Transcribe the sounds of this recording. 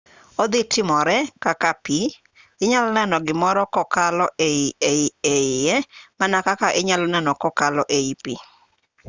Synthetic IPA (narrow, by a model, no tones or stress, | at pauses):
od̪ɪtɪmɔɾɛkakapi | ɪɲalnɛnɔɡɪmɔɾɔkɔkalɔʔeieieɪjɛmanakakaʔɪɲalɔnɛnɔkɔkalɔʔeipḭ